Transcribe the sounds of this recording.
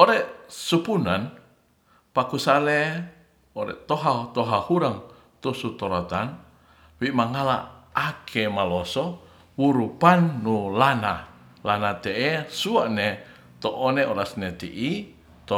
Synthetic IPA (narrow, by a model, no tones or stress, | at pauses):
ɔɾɛsupunan | pakusale | ɔɾɛ̰t̪oɦat̪ɔɦahuɾaŋ | t̪usut̪ɔɾot̪an | wiʔmaŋala̰akʰemalɔsɔ | wuɾupanːulana | lanat̪ɛʔɛsuaʔne | t̪ɔʔɔneɔɾasnet̪ḭʔi | t̪ɔ